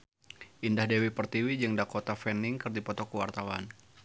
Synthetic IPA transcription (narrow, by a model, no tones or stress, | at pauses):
ʔindahdewipərt̪iwid͡ʒɨŋdakot̪afɛnɪŋkɨrdipɔt̪ɔkəwart̪awan